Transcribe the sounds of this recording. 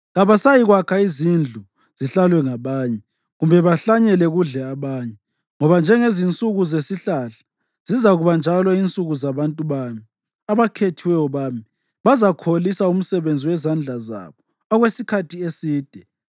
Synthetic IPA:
ɣaβasajiɣwakʰaizind͡ɮʱu | z̥iɬalwɛŋaβaːɲɛ | ɣumbʱɛβaɬaɲɛlɛɣuɮɛaβaːɲɛ | ŋɔβand͡ʒʱɛŋezint͡sʼuɣuzesiɬaɬḁ | z̥izaɣuβand͡ʒʱalɔint͡sʼuɣuzaβantʼuβaːmi | aβakʰetʰiwɛjɔβaːmi | βazakʰolisaum̩sɛβend͡zʱiwɛzand͡ɮʱaza̰βɔ | aɣwesikʰatʰiesiːd̥ʱɛ

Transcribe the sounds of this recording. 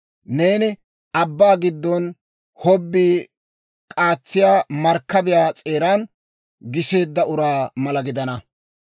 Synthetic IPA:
ne̞ːnɪ | ɐbːaːɡɪd̪ːɔn | hɔbːiː | kʼaːt͡sːɪjaːmɐɾkːɐbɪjaːt͡sʼe̞ːɾaːn | ɡɪse̞ːd̪ːɐʊɾaːmɐlɐɡɪd̪ɐnɐ

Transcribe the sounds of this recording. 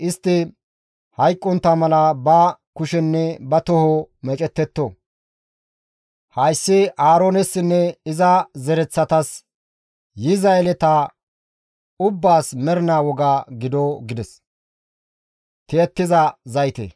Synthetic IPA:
ʔɪst̪ːɪ | hɐjkʼːɔnt̪ːɐmɐlɐbɐkʊʃɛnːɛbɐt̪ɔhomɛt͡ʃʼɛt̪ːɛt̪ːɔ | hɐjsːɪaːɾoːnɛsːɪnːɛɪzɐzɛɾɛt͡sːɐt̪ɐs | jɪzɐlɛt̪ɐ | ʊbːaːsmɛɾɪnaːwɔɡaːɡɪd̪ɔɡɪd̪ɛs | t̪eːt̪ːɪzɐzɐjt̪ḛ

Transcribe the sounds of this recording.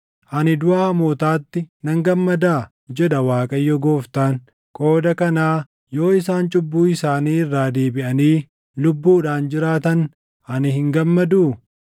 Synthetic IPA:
ʔɐnɪd̪ʊʔaːmoːt̪aːt̪ːɪnɐŋɡɐmːɐd̪aː | d͡ʒɛᶑɐwaːkʼɐjːɔɡoːft̪aːn | kʼo̞ːd̪ɐkɐnaː | jo̞ːɪsaːnt͡ʃʼʊbːuːɪsaːniːɪrːaːd̪e̞ːbɪʔɐniː | lʊbːuːᶑaːnd͡ʒɪɾaːt̪ɐn | ɐnɪhɪŋɡɐmːɐd̪uː

